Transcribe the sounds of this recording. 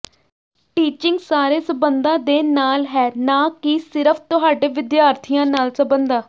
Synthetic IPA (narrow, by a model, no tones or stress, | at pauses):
ʈiːt͡ʃɪŋɡsaːɾeːsəbənd̪ãːd̪eːnaːlɦɛːnãːkisɪɾəpʰt̪ʊɦaːɖeːʋɪd̪jaːɾt̪ʰijãːnaːlsəbənd̪aː